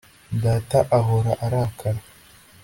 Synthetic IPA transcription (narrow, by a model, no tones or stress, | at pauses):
dataʔaɣoɾaʔaɾakʰaɾ